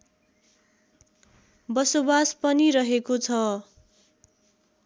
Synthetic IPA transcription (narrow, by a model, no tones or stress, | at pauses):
bʌsobaspʌniɾʌɦekot͡sʰʌ